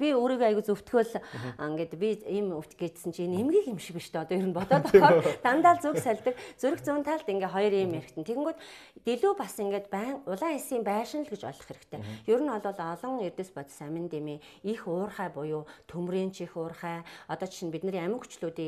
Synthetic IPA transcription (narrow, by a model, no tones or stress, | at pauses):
pʲioːɾiːɣæjɣut͡sɵw̥t̪ɡɘ̆ːɮŋɡet̪pʲiiːmuw̥t̪ɡet̪sɘ̆nt͡ɕʰenemɡiːkemʃɪ̆kpiʃt̪ʰeːɔt̪ɔːjɵɾɘ̆npɔt̪ɔːt̪ɔχɔːt̪amt̪aːɮt͡suksæɮʲt̪ə̆kt͡suɾɘ̆xt͡suːnt̪ʰaɮt̪iŋɡeːt̪χɔjɞ̆riːmeɾɘ̆kt̪ɘ̆nt̪ʰeɾɘ̆ŋɡuːt̪t̪eɮuːpasiŋɡeːt̪pæːŋʊɮaːŋesiːmpæːʃɪnəɮɡet͡ɕɔ̰ɮɞ̆χeɾɘ̆kt̪ʰeːjɵɾɘ̆nɔɮʊːɮɔɮɞ̆ŋert̪ɘ̆spɔt̪sæmʲɪ̆nt̪emeː | ixʊːrχæːpʊjʊːt̪ʰumreːnt͡ɕʰixʊːrχæːɔt̪ɔːt͡ɕt͡ɕʰinpit̪nɘ̆ræmʲɘ̆kxu̥t͡ɕɮuːt̪iː